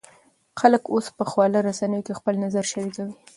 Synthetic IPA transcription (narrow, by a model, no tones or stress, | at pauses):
xaləkospəxwɑlaɾasanəjokexpəlnazaɾʃaɾikawi